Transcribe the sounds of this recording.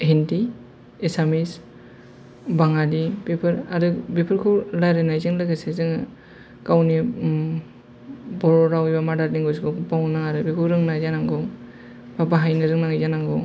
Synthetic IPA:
henti | esamis | baŋadibepʰɯɾaɾɯbepʰɯɾkʰɯlajɾenajzɯŋlɯɡasezɯŋ | kawni | bɔɾɔɾawibamadaɾniŋɡɔsɡɯbawnnaŋaɾɯbikʰɯɾɯŋnajzanaŋɡɯ | babaɦajnɯɾɯŋnaŋɯzanaŋɡɔ

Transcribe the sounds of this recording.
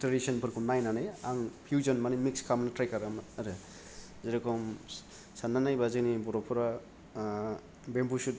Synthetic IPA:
teɾisɔnpʰɯɾkʰunajnanajaŋpʰjuzɔnmanimikskʰamnɯtɾajkaɾamaɾɯ | zeɾɯkʰɔm | sanːanajbazɯknibɔɾɔpʰuɾa | bembusut̚

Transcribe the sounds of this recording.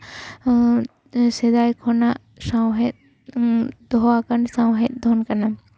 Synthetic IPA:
sɛd̪ajkʰɔnaʔ | sawɦɛt̪̚ | d̪̥ɔɦɔakansawɦɛt̪̚d̪ʱɔnkana

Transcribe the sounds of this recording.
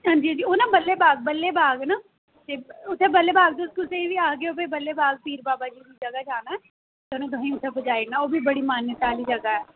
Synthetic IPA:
ɦə̃nd͡ʒĩd͡ʒiːoːnabəlːebaːɡ̚bəlːebaːɡnaː | t̪eʊt̪ʰːebəlːebaːɡt̪eʊskʊseĩbʱiaːɡeoːpebəlːebaːɡ̚piːɾbaːbad͡ʒiːbid͡ʒɐɡad͡ʒaːnaɛː | t̪onãt̪̬ʊɦĩʊt̪ʰebəd͡ʒaːinaoːbʱibəɽimaːnjət̪aːlid͡ʒɐɡaɦɛː

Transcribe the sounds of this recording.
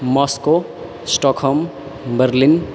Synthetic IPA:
mɔsko | sʈɔkʰɔm | bəɾlin

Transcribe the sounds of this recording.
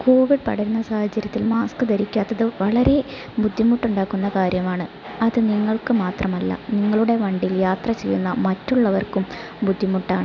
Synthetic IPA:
ko̞ːʋiɖ̚pɐ̰ɽɐɾunːɐsaːhɐt͡ɕːɐɾjɐt̪ːilmaːskɨd̪ɐɾikʲːaːt̪ːɐðɨʋɐɭɐɾe̞ | bud̪ʱːimuʈːuɳɖaːkːunːɐkaːɾjɐmaːɳɨ | ɐðɨniŋːɐɭkɨmaːt̪rɐmɐlːɐ̰niŋːɐɭuɽe̞ʋɐɳɖijiljaːt̪rɐt͡ɕe̞jːunːɐmɐtːuɭːɐʋɐrkum | bud̪ʱːimuʈːaːɳɨ

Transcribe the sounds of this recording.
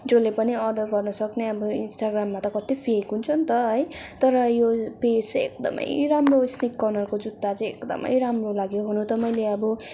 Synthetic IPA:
d͡zolepʌniʌrɖʌrɡʌrnʌsʌkneʌbʌinsʈaɡramːat̪ʌkʌt̪ipʰikɦunt͡sʰʌnt̪ʌɦʌjt̪ʌɾʌjopesḛk̚d̪ʌ̰mʌ̰jɾamrosnikːʌrnʌlkod͡zud̪ːat͡sʌj̃ekd̪ʌ̰mʌ̰jɾamrolaɡjoɦunut̪ʌmʌjleʌbʌ

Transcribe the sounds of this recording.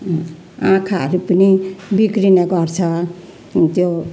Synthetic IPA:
ãkʰaɾupənibikɾineɡʌɾt͡sʰʌ | t̪jo

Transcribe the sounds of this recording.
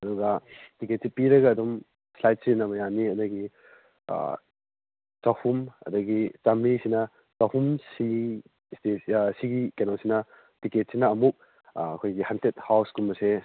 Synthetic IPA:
ɐduɡɐtiket̚sipiɾɐɡɐːdum | slajt̚sinɐbɐjaniɐdɐɡḭ | t͡ʃahumɐ̰dɐɡit͡ʃamisinɐ | t͡ʃahumsi | stesiɡikenosinɐ | tiket̚sinɐɐmuk̚ | ɐ̰kʰojɡihantet̚hawskulmɐse

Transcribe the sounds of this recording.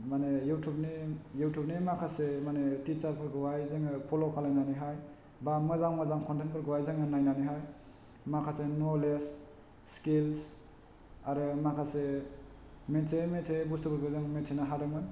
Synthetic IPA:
manejutʰubnijutʰup̚nimakʰasemanetit͡ʃaɾpʰɯɾɡɯwajzɯŋɯpʰolokʰalajnaniɦaj | bamɯzaŋmazaŋkʰɔntʰenkʰɯɾɡɯwajzɯŋɯnajnaniɦaj | makʰasenolesː | kils | aɾɯmakʰase | mesemetsʰebustɯbɯɾɡɯzɯŋmetsʰenaɦaɾɯŋmɯn

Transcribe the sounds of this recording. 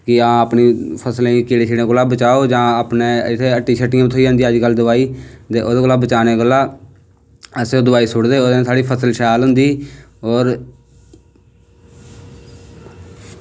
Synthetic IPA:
kɪãːəpniːpʰəslẽːkiːɽeːt͡ʃʰiːɽẽːkolaːbət͡ʃaːoːd͡ʒãːəpneːɪt̪ʰːeːəʈːiːʃʰəʈːɪjãt̪ʰoːiːãːnd̪iəd͡ʒkəld̪ʊʋaːiːt̪eːʔoːd̪eɡolaːbət͡ʃaːneːkəlaː | əseoːd̪ʊʋaːiːsʊɽd̪eːoːd̪ːsaːɽiːpʰəsəlʃɛjaːlɦʊ̃nd̪iːɔːɾ

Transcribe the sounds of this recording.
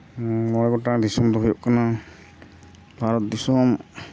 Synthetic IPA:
mɔɾɛɡɔtad̪isɔmd̪ɔɦujɔʔkana | bʱaɾɔt̪̚d̪isɔm

